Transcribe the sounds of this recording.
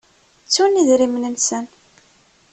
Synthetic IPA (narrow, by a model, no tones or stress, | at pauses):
t͡sːuniðɾimnənsən